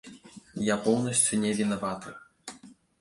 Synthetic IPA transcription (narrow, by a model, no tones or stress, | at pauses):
japɔwnɐsʲt͡sʲunʲɛvʲinɐvat̪ɨ